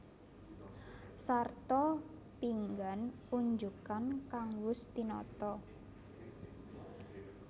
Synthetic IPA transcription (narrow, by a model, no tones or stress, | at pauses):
sart̪ɔ | piŋɡan | uɲd͡ʒukankaŋwʊst̪inɔ̰t̪ɔ